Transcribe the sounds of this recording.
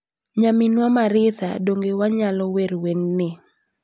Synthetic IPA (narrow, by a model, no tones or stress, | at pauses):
ɲamɪnwamaɾɪθa̰doŋɡewaɲalɔweɾwenːɪ